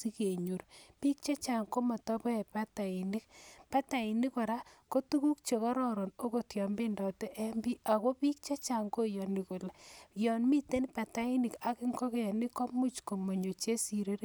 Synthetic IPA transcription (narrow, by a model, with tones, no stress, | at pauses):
i˦ke˨ɲu˨ɾpi˦k̚t͡ʃa˦t͡ʃa˨ŋko˦ma˨tɔ˦pɔ˦ɛ˨pa˦ta˨i˨ni˦kpa˦ta˨i˨ni˦kɔ˨ɾa˦ko˦tu˦ku˦k̚t͡ʃe˨kɔ˦ɾɔ˦ɾo˨no˦ko˨tjɔ˨mbe˦ndɔ˨tɛ˦ʔɛ˦mbi˦a˨ko˦pi˦k̚t͡ʃa˦t͡ʃa˨ŋko˦jɔ˨ni˨ko˨lɛ˨jɔ˨nmi˦te˦npa˨ta˦i˦ni˨ka˦kɪ˦ŋkɔ˦ke˦a˨ni˦kɔ˦mu˦t͡ʃko˨mo˨ɲo˨t͡ʃe˦si˨ɾe˦ɾ